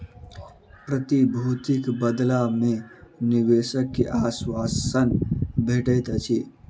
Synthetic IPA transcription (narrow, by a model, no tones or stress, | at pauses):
pɾət̪ibʱut̪ikbəd̪lamẽniweːsəkːeʔaswasənbʱeʈəjt̪t͡ʃʰi